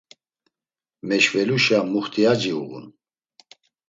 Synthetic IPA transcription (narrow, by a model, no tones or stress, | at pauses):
mɛʃvɛluʃamuχt̪ʰiad͡ʒiṵɣṵn